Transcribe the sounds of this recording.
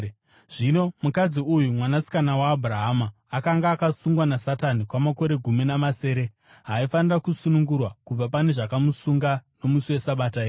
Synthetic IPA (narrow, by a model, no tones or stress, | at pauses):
ʐ̥ino̞mukad͡ziujumwanasi̥kanawaːbʱuraɦamaːkaŋɡaːkasuŋɡwanasatanikwamako̞ɾe̞ɡʱuminamase̞ːɾe̞ | ɦaifanirakusunuŋɡurwakub͡vapane̞ʐakamusuŋɡano̞musiwe̞saɓataeː